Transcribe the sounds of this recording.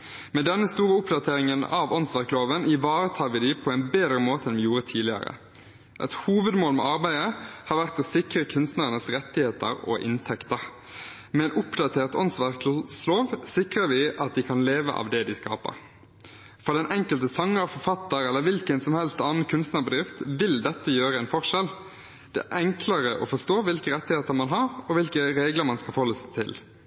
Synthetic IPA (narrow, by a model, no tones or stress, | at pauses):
mɛd̪ɛnːəst̪uːɾəʊpd̪ɑt̪ʰeːɾɪŋənɑʋɔnsʋæʁkloːʋənɪʋɑːɾət̪ʰɑːʋɪd̪ɪpʰɔæɪnbeːd̪ɾəmoːt̪əɛnʋɪjuːɾət̪ʰiːlɪə̰ɾə̰ | ʔɛ̰t̪huːʋəd̪moːlmɛ̰ɑɾbæɪəhɑːɾʋæʁt̪ɔsɪkɾəkʰʉnst̪næʁənəsɾɛt̪ːɪheːt̪ə̰ɾɔ̰ʔɪ̰nt̪ʰɛkt̪əʁ | mɛnʊpd̪ɑt̪ʰeːʁt̪ɔnsʋæʁksloːʋsɪkʁəɾʋɪʔɑt̪̚d̪ɪkʰɑnleːʋə̰ʔɑ̰ʋd̪ɛd̪ɪskɑ̰ːpə̰ɾ | fɔd̪ɛnʔɛŋkəlt̪əsɑŋːəfɔfɑt̪ːəɾɛlːəʋɪlkənsɔmhɛlst̪ɑːnn̩kʰʉnst̪nɑbəd̪ʁɪft̪ʋɪld̪ɛt̪ːəjøːɾəɛnfɔʁʂɛl | d̪̥ɛ̰ʔɛŋkləʁəʔɔ̰fɔʂt̪oːʋɪlkəɾɛt̪ːɪheːt̪əɾmɑnɦɑɾɔʋɪlkəɾeːɡləɾmɑnskɑfɔhɔlːəsæɪt̪ʰɪ̰l